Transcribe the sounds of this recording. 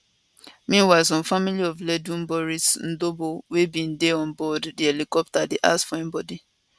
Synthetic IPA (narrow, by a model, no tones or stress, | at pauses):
mĩnwazɔ̃familiɔvlɛdũnbɔɹisn̩dobowebĩn̩deɔ̃nbɔddielikɔp̚tadiʔa̰sfɔɛ̃mbɔdi